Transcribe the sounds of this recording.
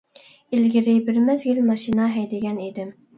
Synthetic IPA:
elɡʲiɾɪbɪɾmɛzɡʲilmɑʃinɑɦɛjd̪ɪɡʲɛnid̪ɪm

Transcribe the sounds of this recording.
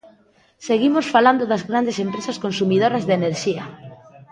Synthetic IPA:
seɣimosfaland̪ʊðɐzɣɾand̪esempɾesɐskonsumiðoɾɐzðeneɾʃiɐ

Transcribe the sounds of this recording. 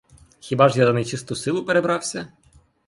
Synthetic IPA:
xʲibɑʐjazɐnet͡ʃɪst̪ʊsɪlˠʊpeɾebɾɑwsʲɐ

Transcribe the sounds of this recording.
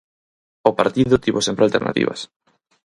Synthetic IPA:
opaɾt̪iðʊt̪iβosempɾealt̪eɾna̰t̪ḭβa̰s

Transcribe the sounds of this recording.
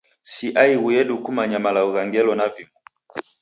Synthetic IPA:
siʔaiɣujɛɗukumaɲamalaɔɣaŋɡɛlɔnaviŋɡu

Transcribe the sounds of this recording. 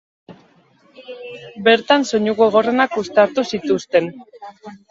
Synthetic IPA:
be̞ɾt̪anso̞ɲuɣo̞ɣ̞o̞re̞nakust̪aɾt̪usit̪ust̪e̞n

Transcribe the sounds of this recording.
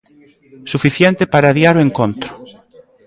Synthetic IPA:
sufiθjɛnt̪ɪpaɾaðiaɾoeŋkont̪ɾʊ

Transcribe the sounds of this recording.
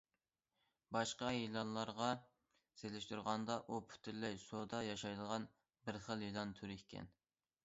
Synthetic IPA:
bɑʃqɑjelˠɑnlˠɑɾʁɑ | selɪʃt̪uɾʁɑnd̪ɑʔupʰy̥t̪ʰyɾlɛjsod̪ɑjɑʃɑjd̪əʁɑn | bɪɾχəlˠjilˠɑnt̪ʰyɾɪkʲʰɛ̰n

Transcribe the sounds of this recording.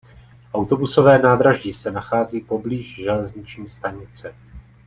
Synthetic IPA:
ʔawt̪o̞buso̞vɛːnaːd̪ɾaʒɟɪsɛnaxaːziːpo̞bliːʒʒɛlɛzɲɪt͡ʃɲiːst̪aɲɪt͡sɛ

